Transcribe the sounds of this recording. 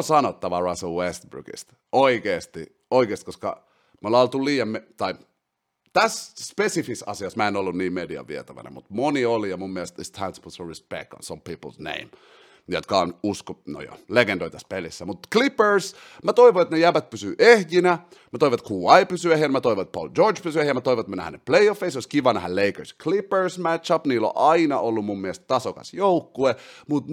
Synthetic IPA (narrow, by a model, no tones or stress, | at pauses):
sɑnot̪ːɑʋɑɹɑsəlwest̪̚bɹṵɡḭst̪ | oikeːst̪i | oikeːˑst̪i̥koskɑ̰ | molɑolt̪ulliːjɑmmet̪ɑi | t̪æsspesifisɑ̰siɑsmæenolːunniːmmediɑ̰ʋiɛt̪æʋæ̰nḛmut̪moniolijɑmumːiælst̪ist̪ʰænsbəlsoɹispḛk̚t̪õ̰nsõmpiːpəlsnḛ̃im | jo̰t̪kɑonuskono̰jo̰leɡendoit̪æspelisːæmut̪klipəɹs | mæt̪oiʋoet̪nejæpæt̪̚pysyːʔeht̪inæ | mæt̪oiʋɑt̪kʰuːɑipysyehiænmæt̪oiʋoet̪̚po̰ld͡ʒordt͡ʃpysyehijæmæt̪oiʋoet̪mænæ̰hæ̰nepleiofːesoiskiʋɑnæ̰hælleikə˞skʰlipəɹsmætt͡ʃɑpniːlːo̰ʔɑinɑʔolːumummiest̪t̪ɑsokɑ̰sjoukːuemut̪